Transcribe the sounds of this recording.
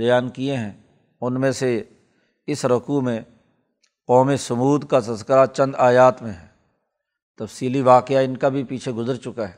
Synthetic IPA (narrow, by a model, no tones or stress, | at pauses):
bɐjaːnkieɦɛ̃ː | ʊnmẽse | ɪsɾɐkumẽ | qɔːmesɐmuːd̪kat̪ɐskəɾat͡ʃɐ̃nd̪aːjaːt̪mẽɦɛ̃ː | t̪ɐfsiːliʋaːqɪaɪnkabʱipiːt͡ʃʰeɡʊzəɾt͡ʃʊkaɦɛː